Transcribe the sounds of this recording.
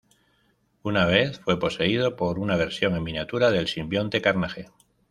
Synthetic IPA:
unaβ̞e̞θfwe̞po̞se̞ið̞o̞po̞ɾunaβ̞e̞ɾsjo̞ŋemːĩnjat̪uɾaðe̞lsimbjo̞nt̪e̞kaɾnaxe

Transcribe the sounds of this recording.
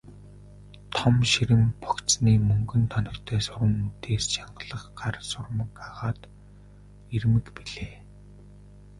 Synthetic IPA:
t̪ʰɔmʃiɾɘ̆mpɔkt͡sniːmɵŋɡɵ̆nt̪ʰɔnɞ̆rt̪ʰæːsʊɾə̆mut̪ʰeːst͡ɕaɴɢə̆ɮə̆χɢarsʊrmə̆kaʁaːt̪ | irmɘ̆kpiɮeː

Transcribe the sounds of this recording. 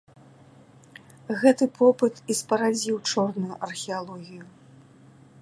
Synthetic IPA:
ɣɛt̪ɨpʰɔpɨt̪ispɐɾad͡zʲiwt͡ʂɔrnujuʔɐrxʲɛalˠɔɣʲiju

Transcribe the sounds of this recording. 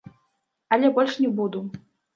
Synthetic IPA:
ɐlʲɛbɔlʲʂnʲɛbud̪u

